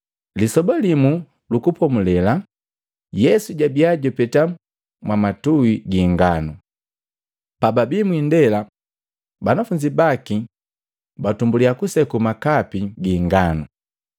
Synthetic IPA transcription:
lisɔbalimu | lukupɔmulɛla | jɛsuɟabiaɟɔpɛta | mwamatuwiɡiŋɡanu | pababimwindɛla | banafuɲd͡ʒibaki | batumbuliakusɛkumakapiɡiŋɡanu

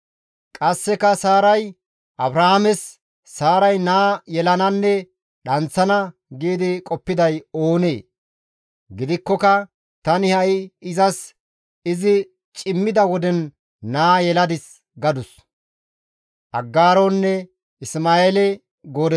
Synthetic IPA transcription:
kʼɐsːɛkɐsaːɾɐj | ʔɐbɾahamɛsː | aːɾɐjnaːjɛlɐnɐnːɛ | ɗɐnt͡sːɐnɐɡiːd̪ɪkʼɔpːɪd̪ɐjo̞ːneː | ɡɪd̪ɪkːɔkɐ | t̪ɐnɪhɐjɪzɐs | ɪzɪ | t͡ʃʼɪmːɪd̪ɐwɔd̪ɛnː | aːjɛlɐd̪ɪs | ɡɐd̪ʊs | ʔɐɡːaːɾonːɛ | ɪsmaːeːlɛ | ɡo̞ːd̪ɛ

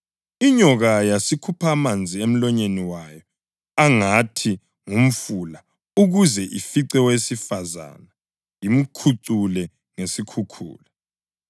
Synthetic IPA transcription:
iɲɔɣajasikʰupʰamand͡zʱiem̩lɔɲeniwajɔ | aŋatʰi | ŋum̩fula | uɣuzɛʔifiǀɛwesifaza̰na | jim̩kʰuǀulɛ | ŋesikʰukʰṵːla

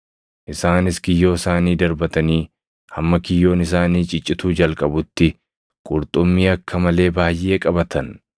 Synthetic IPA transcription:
ʔɪsaːnɪsɡɪjːo̞ːɪsaːniːd̪ɐɾbɐt̪ɐniː | hɐmːɐkɪjːo̞ːnɪs̬aːniːt͡ʃʼɪt͡ʃʼːɪt̪uːd͡ʒɐlkʼɐbʊt̪ːɪ | kʼʊɾt̪ʼʊmːiːɐkːɐmɐle̞ːbaːjʔe̞ːkʼɐbɐt̪ʰɐn

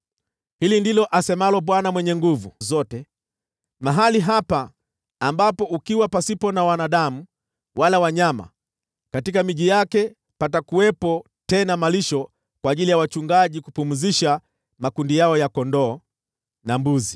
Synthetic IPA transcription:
hilindilɔʔasɛmalɔɓwanamwɛɲɛŋɡuvuzɔtɛ | maɦaliɦapaː | mbapɔukiwapasipɔnawanaɗamu | wʔalawaɲama̰ | katikamiʄijakɛ | patakuwɛpɔ | tɛnamaliʃɔ | kwaːʄilijawat͡ʃuŋɡaʄikupumuziʃa | makundijaɔjakɔndɔː | nambuzi

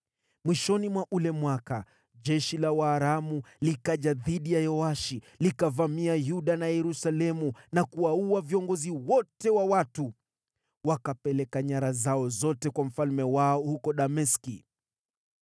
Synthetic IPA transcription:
mwiʃɔnimwaʔulɛmwaka | ʄɛʃilawaːɾamulikaʄaðiɗijajɔaʃi | likavamiajuɗanajɛɾusalɛmunakuauaviɔŋɡɔziwɔtɛwawatu | wakapɛlɛkaɲaɾazaɔzɔtɛkwam̩falmɛwaɔhukɔɗamɛski

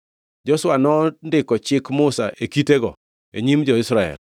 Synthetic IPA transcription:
d͡ʒɔsʊwanɔndɪkɔt͡ʃɪkmʊsa̰ʔekiteɡɔ | ḛɲimd͡ʒɔɪsɾaɛ̰l

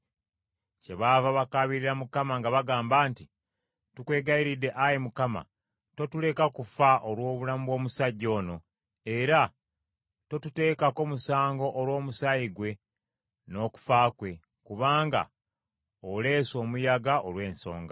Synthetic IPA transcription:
ce̞βaːvaβakaβiɾiɾamukamaŋɡaβaɡaːmbaːnti | tukwe̞ːɡaiɾidːe̞ʔajemukama̰ | to̞tule̞kakufaʔolwo̞ːβulamuβwo̞ːmusaɟːo̞ːno̞ | e̞ɾa | to̞tute̞ːkako̞ːmusaːŋɡo̞ʔːɾwo̞ːmusaiɡwe̞ | no̞ːku̥faːkwe̞ | kuβaːŋɡa̰ | ole̞ːso̞ːmujaɡaʔolwe̞ːnso̞̰ːŋɡa

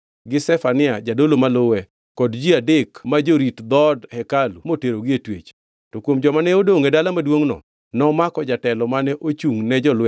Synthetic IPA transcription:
ɡɪsɛfanɪad͡ʒadolomalowɛ | kɔdd͡ʒiadekmad͡ʒoɾitd̪ɔdhɛkalumoteɾoɡɪetwḛt͡ʃ | tɔkwomd͡ʒɔmanɛodoŋedalamadwoŋnɔ̰ | nɔmakɔd͡ʒatɛlɔmanɛʔot͡ʃuŋnɛd͡ʒɔlwɛ

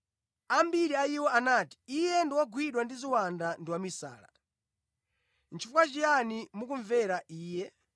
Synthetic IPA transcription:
ambiɾiaiwɔanaːti̥ijɛndiwaɡwiɗwandiziwandandiwamisa̰ːla̰ | nt͡ʃʰifukat͡ʃijanimukuɱvɛɾaʔiːjɛ

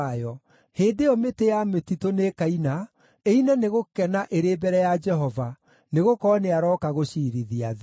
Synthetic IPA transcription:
jɔ | heːdeɔmetejametitonekaina | einaneɣokɛnaʔeɾeːbɛɾɛjad͡ʒɛɦɔva | neɣokɔneaɾɔkaɣoʃiɾiðiað

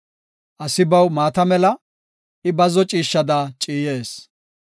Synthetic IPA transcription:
ʔɐsɪbɐwmaːt̪ɐmɛlɐ | ɪbɐzɔt͡ʃʼiːʃːɐd̪aːt͡ʃʼiːje̞ːs

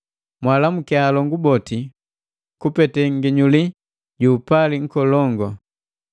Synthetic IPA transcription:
mwalamukɛaːlɔŋɡubɔti | kupɛtɛŋɡiɲuli | ɟuːpaliŋ̩kɔlɔŋɡɔ

